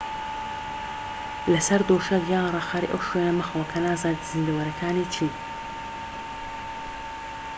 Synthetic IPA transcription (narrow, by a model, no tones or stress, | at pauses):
lɐsɐɾd̪oːʃɐkjaːrˤɑxaɾḭʔɐ̰wʃwenɐmɨxlɐkʰɐnaːzad̪z̥ɨnd̪ɐwɐɾɐkʰaːnit͡ʃʰiː